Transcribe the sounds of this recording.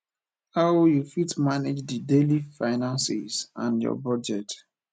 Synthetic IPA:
hawjufitmaned͡ʒdədelifaɪnãnsḭz̥ãnjɔ̰bɔd͡ʒɛt

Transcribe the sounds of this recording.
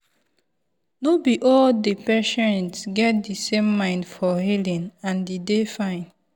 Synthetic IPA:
nobiʔɔldepɛʃɛ̃ntsɡɛt̚disẽmːãɪ̃ndfɔhilĩnãndidefãɪ̃n

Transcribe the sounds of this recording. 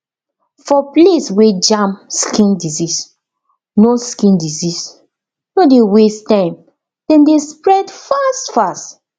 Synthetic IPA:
fɔpleswed͡ʒãmskĩndizis | noskĩndizis | nodewestãɪ̃m | d̥ɛ̃ndespɹɛdfastfast

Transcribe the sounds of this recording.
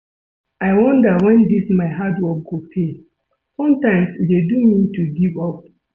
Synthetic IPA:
aɪwɔ̃ndəwɛ̃ndismaɪɦadwɔk̚ɡopʰe | sʌ̃mtãɪ̃msdedumĩtʰuɡivɔp̚

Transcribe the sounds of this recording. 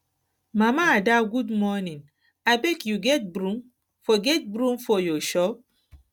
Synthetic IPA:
mamaːdaɡudmɔnĩn | aɪbekjuɡɛt̚bɾũm | fɔɡɛt̚bɾũmfɔjɔʃɔp̚

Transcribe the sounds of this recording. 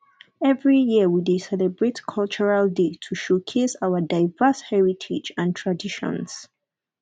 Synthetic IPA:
ɛvɹijiəwidesɛlɛbɹetkʰɔlt͡ʃɔɹaldetʰuʃokʰesawədaɪvəshɛɹitʰid͡ʒãntʰɹadiʃɔ̰̃ns

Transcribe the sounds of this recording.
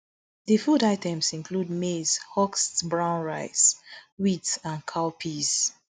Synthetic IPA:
ðəfudaɪtʰɛ̃msĩnkʰlud̚mez̥hɔkstbɹãʊ̃nɹaɪswitsãnkʰaʊpʰiz̥

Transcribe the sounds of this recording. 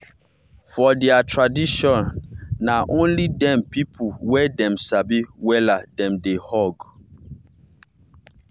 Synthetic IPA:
fɔdɛatɹadiʃɔ̃nːaʔõnlidɛ̃mpipʰuwɛdɛ̃msabiwɛladɛ̃mdehɔɡ

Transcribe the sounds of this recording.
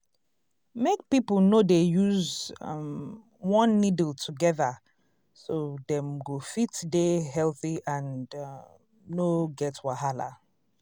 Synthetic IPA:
mek̚pipl̩ˠnodejuz | wɔ̃nːidltʰuɡɛðə | sodɛ̃mɡofitdeɦɛlˠθiʔãnd | noɡɛtwaɦala̰

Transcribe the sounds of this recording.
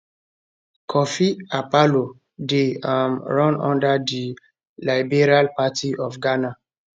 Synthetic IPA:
kʰɔfiapalo | deãmɹɔ̃nɔ̰̃ndadi | laɪbeɹialpatʰiʔɔfɡana

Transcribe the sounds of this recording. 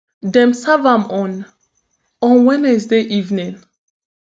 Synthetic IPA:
dɛ̃msavãmɔ̃n | ɔ̃nwɛnɛs̬deʔivnĩŋ

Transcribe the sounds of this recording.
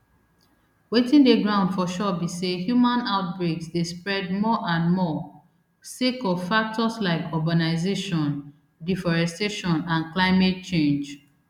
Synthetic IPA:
wetĩndeɡɹãʊ̃ndfɔʃɔbisehjumãnaʊt̚bɹeksdespɹɛd̚mɔʔãnmɔ | sekɔvfak̚tɔslaɪkʰɔɡanaɪzeʃɔ̃n | difɔɹɛsteʃɔ̃nãnklaɪmet̚t͡ʃẽnd͡ʒ

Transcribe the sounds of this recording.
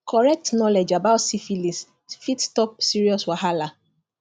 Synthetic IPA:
kʰɔɹɛk̚tnɔled͡ʒabaʊtsifilis | fitstɔp̚siɹiɔswaɦala

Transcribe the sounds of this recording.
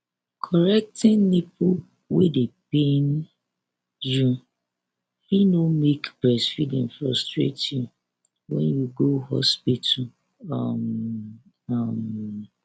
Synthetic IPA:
kʰɔɹɛk̚tɪ̃nnipu | wedep̚en | ju | hinomekbɛsfidĩnfɹɔstɹḛtju | wɛ̰̃njuɡohɔ̰spitʰu | am | am

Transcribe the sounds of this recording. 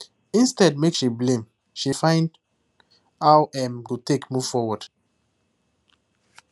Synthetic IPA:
ĩnstɛd̚mekʃiblẽm | ʃifãɪ̃nd | awʔɛmɡotekmuv̥fɔwɔd̥

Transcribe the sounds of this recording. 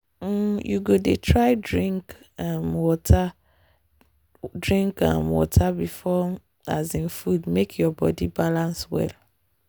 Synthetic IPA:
jṵɡodetʰɹaɪdɹĩŋk | ãmwɔtʰa | dɹĩŋkã̰mwɔ̰tʰabifɔ | a̰zĩnfudmekʰjɔbɔ̰dibalãnswɛ̰l

